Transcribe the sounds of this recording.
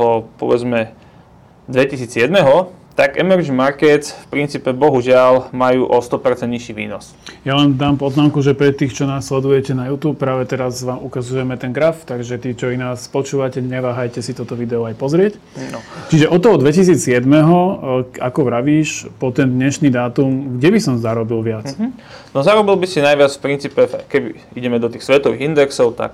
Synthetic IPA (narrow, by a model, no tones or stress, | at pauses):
ɔpɔ̰ʋɛd͡zmɛ | d̪ʋɛcisiːd͡zjɛd̪mɛɦɔt̪aɡɛmɛɾd͡ʒmaɾkɛt̪fpɾint͡siːpɛbɔɦuʒɪalmajuːʔɔst̪ɔpɛɾt͡sɛnd̪ɲiʃiʋḭːnɔ̰s | jalɛnd̪aːmpɔznaːmkuʒɛpɾɛt̪ːiːxt͡ʃɔnaːsːlɛd̪ujɛcɛnajuːt̪uːp̚ːɾaːʋɛt̪ɛɾazʋaːmukazujɛmɛt̪ɛnɡɾaft̪aɡʒɛt̪iːt͡ʃɔinaːspɔt͡ʃuːʋacɛɲɛʋaːɦajcɛsit̪ɔt̪ɔʋid̪ɛɔajpɔzɾɪɛc | t͡ʃiʒɛʔɔt̪ɔɔd̪ʋɛcisiːt͡ssɪɛd̪mɛɦɔakɔʋɾaʋiːʃpɔt̪ɛnd̪ɲɛʃniːd̪aːt̪umɡɟɛbisɔmzaɾɔbilʋɪat͡snɔzaɾɔbilbisinajʋɪat͡sfpɾint͡sipɛkɛbḭ | iɟɛmɛd̪ɔt̪iːxsʋɛt̪ɔʋḭɣind̪ɛksɔʊt̪a̰k